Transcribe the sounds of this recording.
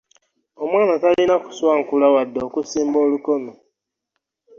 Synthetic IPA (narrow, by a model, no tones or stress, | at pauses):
omwaːnatalinaku̥swaŋ̩kulawadːoːkusiːmboːlukono